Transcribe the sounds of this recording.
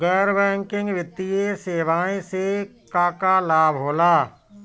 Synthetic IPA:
ɡəɾʋɛ̃ːŋkɪ̃ŋɡʋɪt̪ieseːʋaːẽsekaːkaːlaːbɦoːlaː

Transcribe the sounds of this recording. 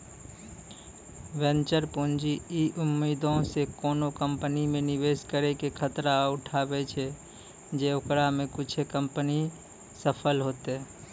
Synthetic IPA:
ʋɛ̃nt͡ʃəɾpũnd͡ʒiiʔʊmːiːd̪ʱõsekoːnokəmpənimẽnɪʋeːskəɾekekʰət̪ɾaʊʈʰaːbet͡ʃʰe | d͡ʒeʊkɾamẽkʊt͡ʃʰekəmpəni | səpʰəlɦoːt̪eɦɛ

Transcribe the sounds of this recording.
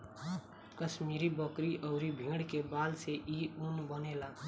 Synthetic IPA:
kəsmiɾibəkɾiʔəʊɾibʱĩɽkebalseʔiunbənela

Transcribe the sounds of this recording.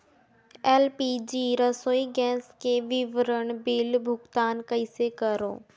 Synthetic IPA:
ɛːlpiːd͡ʒiːɾəsoːiɡɛːskeʋɪʋɾəɽ̃bɪlbʱʊɡt̪aːnkəɪsekəɾo̰ː

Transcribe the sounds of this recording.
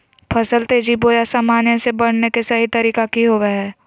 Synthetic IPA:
pʰɐsəlt̪eːd͡ʒiboːjasaːmaːnjə̃sebɐɽ̤nekesɐɦit̪ɐɾiːkakiɦoːʋeɦɛː

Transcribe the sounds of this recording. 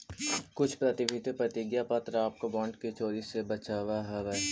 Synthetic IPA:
kʊt͡ʃʰpɾət̪ɪbʱɪt̪epɾət̪ɪɡjapɐt̪ɾaːp̚kobɔ̃ːɳɖkit͡ʃoːɾisebɐt͡ʃaːʋaɦɐʋɛ

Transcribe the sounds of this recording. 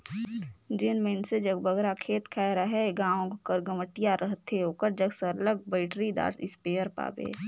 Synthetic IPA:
d͡ʒɪnmensed͡ʒəɡbəɡɾakʰeːt̪kʰɛɾaɦɛɡãːõkkəɾɡəməʈɪjaɾʔəɦt̪eoːkəɾd͡ʒəɡsəɾləɡ̚bəɪʈɾid̪a̰ːɾɪspeːəɾpa̰ːbḛː

